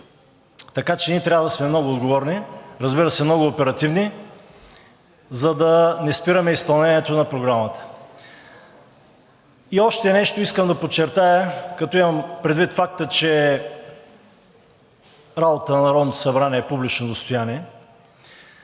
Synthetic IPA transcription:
t̪ɐkat͡ʃɛniɛt̪ɾʲabəd̪ɐsmɛmnɔɡʊːd̪ɡovɔɾniɾɐzbiɾəsɛmnɔɡʊːpɛɾɐt̪ivni | zɐd̪ɐnɛspiɾɐmɛispɐlˠnɛnʲiɛt̪onɐpɾoɡɾamət̪ə̥ | iɔʃt̪ɛnɛʃt̪oiskəmd̪ɐpot͡ʃːɛɾt̪ajəkɐt̪ɔimɐmpɾɛd̪vit̪fak̚t̪ət͡ʃɛ | ɾabot̪ənɐnɐɾɔd̪nt̪osɐbɾanɛɛpublit͡ʃnod̪ost̪ojaniɛ

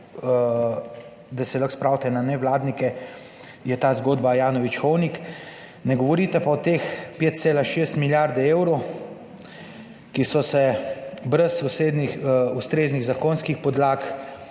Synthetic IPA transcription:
d̪asɛlɐxspɾaːwt̪ɛnanɛʋlaːd̪nikɛ | jɛt̪aːzɡoːd̪bajaːnɔʋit͡ʃxɔwnik | nɛɡɔʋɔɾit̪ɛpaɔt̪eːxpeːt̪̚t̪seːlaʃeːst̪miljaɾd̪ɛeːwɾow | kisɔsɛbɾɛsuseːd̪nixust̪ɾeːzniɣzakonskixpɔd̪laːk

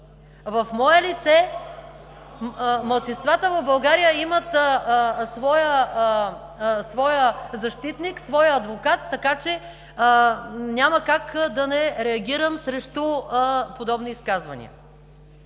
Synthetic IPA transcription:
vɐfmɔɛlit̪sɛ | mɐlˠt̪sinst̪vat̪əvɐvbɐlˠɡaɾijəimət̪ | svɔjə | svɔjəzɐʃt̪it̪niksvɔjɐd̪vokat̪ːɐkat͡ʃɛ | nʲaməkakd̪ɐnɛɾɛɐɡʲiɾəmsɾɛʃt̪opod̪ɔbniːskazvɐ̰nḭə̰

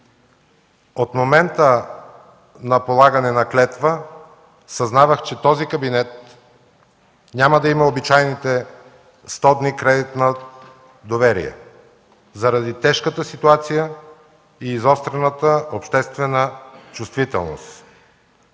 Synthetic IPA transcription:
ot̪momɛnt̪ə | nɐpolˠaɡɐnɛnɐklɛt̪və | sɐznavəxt͡ʃɛt̪ɔzikɐbinɛt̪̚ | nʲaməd̪ɐimɐobit͡ʃajnit̪ɛ | st̪ɔd̪nikɾɛd̪it̪nə | d̪ovɛɾḭjɛ̰ | zɐɾɐd̪it̪ɛʃkət̪əsit̪uat̪sijə | iːzɔst̪ɾɛnət̪əopʃt̪ɛst̪vɛnət͡ʃust̪vit̪ɛ̰lˠno̰st̪

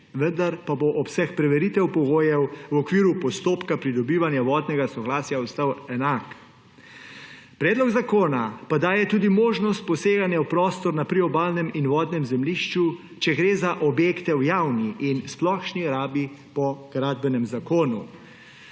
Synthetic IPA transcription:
ʋənd̪aɾpaboʔɔpsɛxpɾɛʋɛɾit̪ɛwpɔɡoːjɛwwɔkʋiːɾupɔst̪oːpkapɾid̪ɔbiːʋanjaʋɔːd̪nɛɡasɔɡlaːsjaɔst̪awɛnak | pɾɛːd̪lɔɡzakoːnapad̪aːjɛt̪uːd̪imoːʒnɔst̪̚pɔseːɡanjawpɾɔːst̪ɔɾnapɾiɔbaːlnɛminʋɔːd̪nɛmzɛmliʃt͡ʃu | t͡ʃɛɡɾeːzaʔɔbjeːkt̪ɛwjaːwniʔinsplɔxʃniɾaːbipɔɡ̥ɾad̪̚bɛnɛmzakoːnu

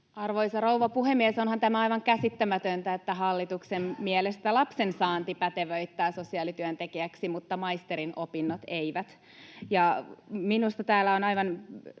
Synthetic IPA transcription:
ɑrʋoisɑrouʋɑpuhemːiesonhɑnt̪æmæɑjʋɑŋkæsit̪ːæmæt̪ønt̪æet̪ːæɦɑlːit̪uksemmiɛlest̪ælɑpsensɑːnt̪ipæt̪eʋøit̪ːæːsosiɑːlit̪yønt̪ekiæksimut̪ːɑmɑist̪eɾinopinːot̪eiʋæt̪ | jɑminust̪ɑt̪æːlːæonɑiʋɑn

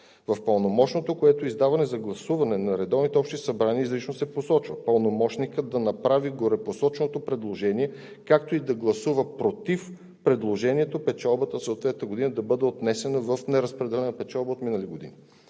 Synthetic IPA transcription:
vɐfpəlˠnomɔʃnot̪okoɛt̪oizd̪avɐnɛzɐɡlˠɐsuvɐnɛnɐɾɛd̪ɔvnit̪ɛɔpʃt̪isɐbɾaniːzɾit͡ʃnosɛposɔt͡ʃvəpəlˠnomɔʃnikəd̪ɐnɐpɾaviɡoɾɛposɔt͡ʃnot̪opɾɛd̪lˠoʒɛniɛ | kak̚t̪oid̪ɐɡlˠɐsuvəpɾot̪if | pɾɛd̪lˠoʒɛniɛt̪opɛt͡ʃalˠbət̪əsoːt̪vɛt̪nəɡod̪inəd̪ɐbɤd̪ɛot̪nɛsɛnəvəfnɛɾəspɾɛd̪ɛlɛnəpɛt͡ʃalˠbəot̪minəliɡod̪ḭni

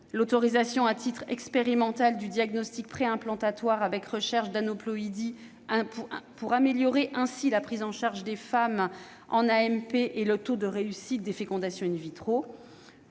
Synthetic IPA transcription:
lot̪ɔʁizasjɔ̃at̪ʰit̪χɛ̰kspeʁimɑ̃t̪ald̪yd̪jaɡnɔst̪ik̚pχeɛ̃plɑ̃t̪at̪waʁavɛkʁəʃɛʁʃd̪anɔplɔid̪i | ɛ̃ppuʁameljɔʁeʔɛ̃silapχizɑ̃ʃaʁʒd̪efam | ɑ̰̃naɛmpeʔelət̪od̪əʁeysit̪̚d̪efekɔ̃d̪asjɔ̃invit̪χo

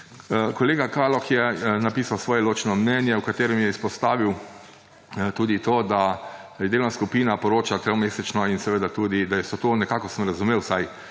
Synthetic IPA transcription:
kɔleːɡakalɔxjɛnapiːsawsʋɔːjɛloːt͡ʃnɔmnɛnjɛukat̪eːɾɛmjɛispɔst̪aːʋiw | t̪uːd̪it̪oːd̪a | jɛd̪eːlnaskupiːnapɔɾoːt͡ʃat̪ɾemeːsɛt͡ʃnɔinsɛʋeːd̪at̪uːd̪id̪ajɛsɔt̪onɛkaːkɔsəmɾazumeːwsaj

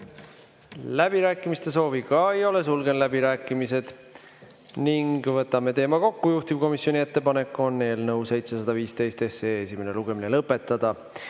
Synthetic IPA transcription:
læb̥iɾæːkːˑimist̪e̞so̞ːvikɑejo̞le̞sulɡe̞nlæbiɾæːkˑːimise̞d̪̥ | niŋɡvɤt̪ːˑɑme̞t̪e̞ːmɑko̞kːujuht̪ivko̞misjo̞nʲie̞t̪ːe̞pɑne̞kːˑo̞nːe̞ːlnɤwse̞jt̪sesɑd̪ɑviːst̪e̞jst̪e̞seːesime̞neluɡ̥e̞minelɤpːˑe̞t̪ːˑɑd̪̥ɑ

